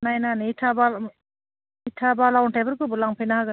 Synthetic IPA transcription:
najnanitʰabal | tʰabalawnʈʰajbɯɾkɯbulaŋpʰijnaɦaɡɯ

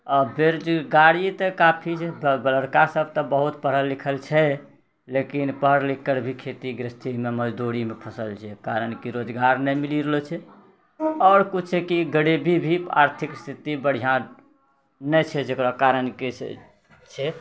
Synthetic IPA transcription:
ɔbeɾd͡ʒɡaɾit̪ɔkapʰiɛbbələɾkaɾsəb̚ʱt̪ɔbəɦut̪pəɾəllikʰəlt͡ʃʰɛ | lekinpəɦɾlikːəɾbʱikʰet̪iɡɾist̪ʰimeməd͡ʒd̪uɾimepʰəsəlt͡ʃʰɛkaɾənkiɾod͡ʒɡaɾnɛmiliɾolɛt͡ʃʰɛ | ɔːɾkut͡ʃʰekiɡəɽebʱibʱia̰ɾt̪ʰikst̪ʰit̪ibəɽ̤ijã | nɛt͡ʃʰɛd͡ʒekɾakaɾənkes | t͡ʃʰɛ

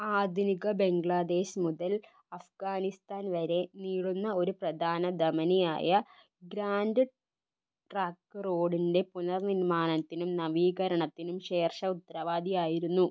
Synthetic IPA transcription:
aːd̪ʱuniɡɐbe̞ŋɡɭad̪e̞ːɕmuðɐl | ɐfɡaːnist̪aːnʋɐɾe̞niːɻunːɐo̞ɾuprɐd̪ʱaːnɐd̪ɐmɐnija̰ːjɐ | ɡɾaːndɨ | ʈraːkːɨro̞ːɽinde̞punɐrniɾmaːnɐt̪ːinumnɐʋiːɣɐɾɐɳɐt̪ːinumɕe̞ːrʂɐut̪ːɐɾɐʋaːd̪ʱijaːjiɾunːu

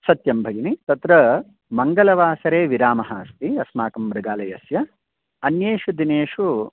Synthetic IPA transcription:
sɐt̪jɐmbʱɐɡinit̪ɐt̪ɾɐ | mɐŋɡɐlɐʋaːsɐɾeːʋiɾaːmɐɦaːst̪iɐsmaːkɐmbɾɐɡaːlɐjɐsjɐ | ɐnjeːʂud̪ineːʂu

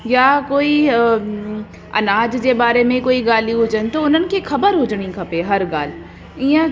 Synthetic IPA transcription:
jakoːi | ɐ̰naːd͡ʑd͡ʑebaːɾemẽkoːiɡaːliɦʊd͡ʒənɪ̆t̪oʊn̤ənɪ̆kixʰɐbəɾɦʊd͡ʑɽ̃ikʰɐpeɦɐɾɡaːl | ĩə̃

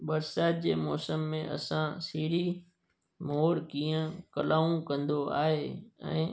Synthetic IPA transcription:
ɓɐɾsaːt̪̚d͡ʑeːmɔːsəmːẽʔɐ̰sãsiːɽi | moːɽkiːə̃kɐlaːũkɐ̃nd̪oa̰ːɦeɛ̰̃ː

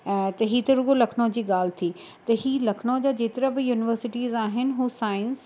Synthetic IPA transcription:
t̪ɐɦiːt̪ɐɾʊɡolɐkʰnõd͡ʑiːɠaːl̤t̪ʰiː | t̪ɐɦiːlɐkʰnod͡ʑaːd͡ʑeːt̪ɪɾabɪjuːnɪʋəɾsɪʈiːzaːɦɪnɪ̆ɦuːsaːɪns

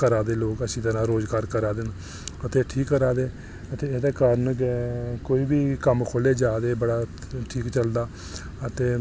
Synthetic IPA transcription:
kəɾaːd̪eːloːkəsĩːt̪əɾãːɾoːzɡaːɾkəɾaːd̪en | ət̪eːʈʰiːkːəɾaːd̪eː | ət̪eːeːd̪eːkəɾən | koːiːbiːkəmkʰoːleːd͡ʒaːd̪eːbəɽaː | ʈʰiːkt͡ʃəld̪aː | ət̪eː

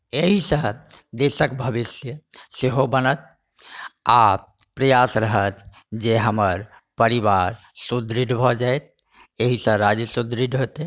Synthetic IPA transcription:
eɦisə̃d̪esəkbʱəbisjəseɦobənət̪̚ | a | pɾəjasɾəɦət̪ | d͡ʒeɦəməɾ | pəɾiʋaɾ | sud̪ɾiɖbʱɔd͡ʒaet̪̚ | eɦisə̃ɾad͡ʒəsud̪ɾiɖɦot̪e

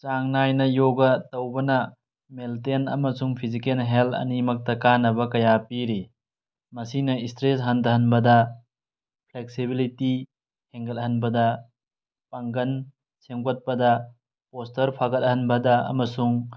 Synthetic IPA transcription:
t͡ʃaŋnajnɐjoɡɐtɐwbɐnɐ | meltenɐ̰mɐsuŋpʰizikelɦeltʰɐ̰nimɐk̚tɐkanɐbɐkɐjapiɾi | mɐsinɐistɾesɦɐndɐɦɐnbɐdɐ | pʰleksibiliti | heŋɡɐt̚hɐnbɐdɐ | paŋɡɐn | semkot̚pɐdɐ | postɐɾpʰaɡɐt̚hɐnbɐdɐɐ̰mɐsuŋ

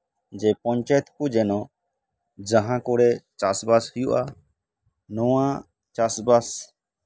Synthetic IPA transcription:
d͡ʒɛpɔɲt͡ʃajɛt̪kud͡ʒɛnɔ | d͡ʒaɦãkɔɽɛt͡ʃasbashujuʔa | nɔwã | t͡ʃasbas

